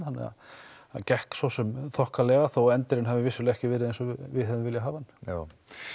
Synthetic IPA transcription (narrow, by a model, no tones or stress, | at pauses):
hanːɛ̰a̰ | a̰ðcɛhksɔsɛmθɔhkalɛːɣaθowɛnt̪ɪɾɪnɦavɪvɪsːʏlɛhcɪvɪɾɪðejnsɔvɪðɦɛvɪmvɪljaɦaːvana